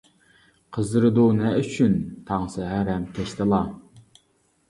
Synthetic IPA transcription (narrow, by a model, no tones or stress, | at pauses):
qʰəzɨɾɨd̪unɛʔyt͡ʃʰynt̪ʰɑŋsɨɦæɾɛmk̪ʲʰeʃt̪ɨlˠɑ